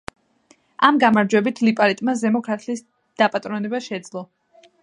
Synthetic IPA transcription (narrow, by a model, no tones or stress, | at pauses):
amɡamaɾd͡ʒwɛbit̪ʰlipʼaɾit̪ʼmazɛmɔkʰɾat̪ʰliːs | d̪̥apʼat̪ʼɾɔnɛbaʃɛd̪zlˠɔ